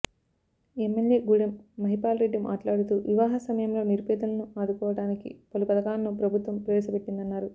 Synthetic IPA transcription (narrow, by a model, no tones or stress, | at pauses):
emːeljeːɡuɽɐmːɐɦipaːlɾeɖːimʔa̰ːʈlaːɽut̪uːʋiʋaːɦɐsɐmɐjɐmlo̞ːniɾpɛːd̪ɐnɐnuaːd̪ukɔːʋɐɽaːnikḭpolupɐd̪ɐkaːnɐːupɾɐbʱut̪ʋɐmpɾɐʋɛːsɐpeʈːind̪ɐnːaːɾu